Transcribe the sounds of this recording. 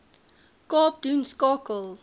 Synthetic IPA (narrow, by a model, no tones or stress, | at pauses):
kɔːpdũnskɔkəl